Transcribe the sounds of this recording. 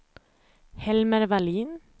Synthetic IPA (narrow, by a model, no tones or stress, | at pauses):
hɛlməɾʋæliːn